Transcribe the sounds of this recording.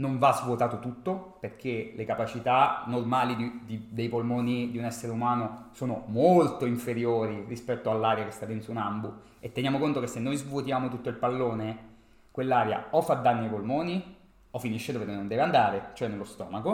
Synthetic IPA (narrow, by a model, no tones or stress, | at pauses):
noɱvazvwot̪aːt̪ot̪ut̪ːoperkʰelekapat͡ʃit̪anormaːlid̪id̪id̪ejpolmoːnid̪iunɛsːeɾeumaːnosoːnomolt̪oiɱfeɾjoːɾirispɛt̪ːoalːaːɾjakest̪ad̪ɛnt̪sɾunambu | et̪ːenjaːmokont̪okesːenːojzvuot̪jaːmot̪ut̪ːoilpalːoːne | kwelːaːɾja̰ɔfad̪ːanːiajpolmoːni | ɔfiniʃːed̪oːvekenːond̪ɛːveand̪aːɾet͡ʃoɛnːelːost̪ɔ̰ːmako